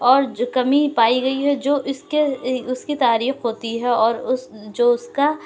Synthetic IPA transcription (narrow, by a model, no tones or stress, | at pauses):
ɔːɾkɐmipaːiɡɐiɦɛd͡ʒoːʔʊskeʊskit̪aːɾiːxɦoːt̪iɦɛɔːɾʊsd͡ʒoːʊska